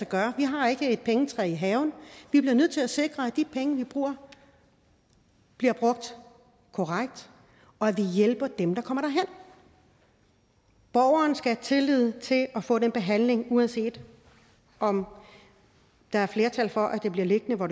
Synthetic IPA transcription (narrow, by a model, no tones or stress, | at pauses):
ɒɡ̥ɶːɐʋiɦɑ̈e̝ɡ̥əe̝d̥̚pʰeŋət͡sʰʁɛiɦɛːʊn̩ʋib̥liɐnøð̰ˠt͡sʰe̝læse̝ɡ̥ʁɐædd̥ipʰeŋəʋib̥ʁṵːɐ | b̥liɐb̥ʁɔ̽ɡ̥̚d̥ | kʰɒʁäɡ̥̚d̥ | ɒ̽æʋijelb̥ɐd̥emd̥ɑ̈kʰɒ̽m̰ɐɾ̥ɑ̈ɦen̰ | b̥ɒːʊɐːnsɡ̥æt͡sʰe̝lið̞̰ˠt͡sʰe̝læfɔ̰̽ːdenb̥e̝ɦæn̰le̝ŋuænse̝̰ːd̥ | ʔɒ̽m | d̥ɑ̈æɐfle̝ːɐt͡sʰælfɒ̽ʔæd̥e̝b̥liɐle̝ɡ̥ənəʋɒ